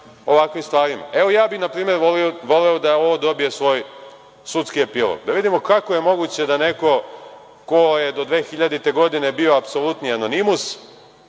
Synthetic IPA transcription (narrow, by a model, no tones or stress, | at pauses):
o̞ʋakʋimst̪ʋaːɾima̰e̞ʋo̞jaːbinapɾiːme̞ɾʋolioʋo̞leod̪ao̞ʋod̪o̞bije̞sʋo̞ːj | sut̪skie̞pilˠo̰ɡd̪aʋid̪imo̞kakoje̞mo̞ɡut͡ɕe̞d̪ane̞ko̞ | ko̞je̞d̪o̞d̪ʋe̞ːxiʎad̪it̪e̞ɡo̞d̪ine̞bio̞apso̞lˠut̪niano̞nimus